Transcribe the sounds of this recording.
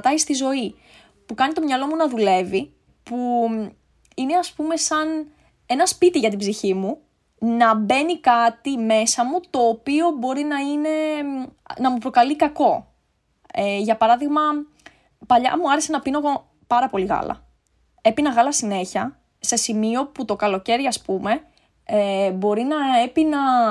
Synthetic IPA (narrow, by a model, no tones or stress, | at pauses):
t̪ɐist̪izo̞i | pukɐnit̪o̞mɲɐlo̞munɐðule̞vi | pu | ine̞ɐspume̞sɐn | e̞nɐspit̪iʝɐt̪̬ibziçimu | nɐbe̞nikɐt̪ime̞sɐmut̪o̞ːpio̞bo̞ɾinɐine̞ | nɐmupɾo̞kɐlikɐko̞ | eʝɐpɐɾɐðiɣmɐ | pɐʎɐ̰muɐɾesenɐpino̞ɣo | pɐɾɐpo̞liɣɐ̰lɐ̰ | e̞pinɐɣɐlɐsine̞çɐ | se̞simio̞put̪o̞kɐlo̞ce̞ɾʝiɐspume̞ | ebo̞ɾinɐe̞pinɐ